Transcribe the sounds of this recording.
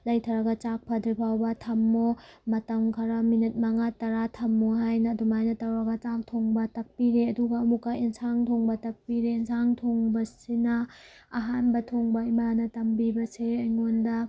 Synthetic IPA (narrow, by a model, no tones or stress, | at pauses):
lɐjtʰaɾaɡat͡ʃak̚pʰadɾipʰawbɐtʰɐmːomɐtɐmkʰaɾaminit̚maŋatɐɾatʰɐmːoɦajnɐdumajnɐtawɾaɡɐt͡ʃak̚tʰoŋbɐtɐk̚piɾeɐduɡɐːmukaʔensʰaŋtʰoŋbɐtɐk̚piɾeːnsʰaŋtʰoŋbɐsinɐː | ɦanbɐtʰoŋbɐimanɐtɐmbibɐseːjŋondɐ